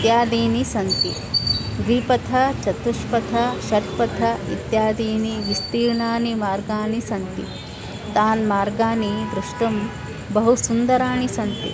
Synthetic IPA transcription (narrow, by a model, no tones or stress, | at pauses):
t̪jaːd̪iːnisɐnt̪ḭ | ɡɾiːpɐt̪ʰɐt͡ʃɐt̪uʃpɐt̪ʰɐʃɐt̪pɐt̪ʰɐit̪jaːd̪iːniʋist̪iːɾɳaːnimaːɾɡaːnisɐnt̪ḭ | t̪aːnmaːɾɡaːniʋɾuʂʈɐm | bɐɦusund̪ɐɾaːɳisɐnt̪ḭ